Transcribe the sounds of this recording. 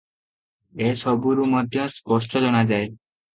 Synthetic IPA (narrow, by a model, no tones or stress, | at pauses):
esɔbuɾumɔd̪ʱjɔspɔsʈɔd͡ʒɔñad͡ʒae